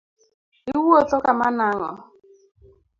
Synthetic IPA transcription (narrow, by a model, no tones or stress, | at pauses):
iwuotɔkamanaŋɔ̰